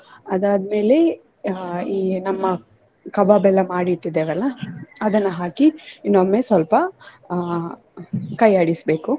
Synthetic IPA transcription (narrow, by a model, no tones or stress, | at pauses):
ɐd̪aːd̪me̞ːle | iːnɐmːɐ | kɐbabɛlːɐmaːɽiʈːid̪eːʋɛlːɐɐd̪ɐnːɐɦaːkinːomːesʋɐlpɐ | kɐjaːɽisbeːku